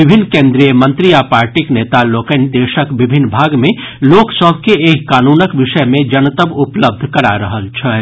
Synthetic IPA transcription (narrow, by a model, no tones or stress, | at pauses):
ɪbʱɪnːkẽːnd̪ɾijəmə̃nt̪ɾiapaːɾʈikneːt̪aloːkend̪eːʃəkʋɪbʱɪnːbʱaːɡmẽ | loːksəbʱkeeːkkaːnuːnəkʋɪʃəmẽd͡ʒɐnt̪əbʊpləb̚d̪ʱkɐɾaɾəɦəlt͡ʃʰɛ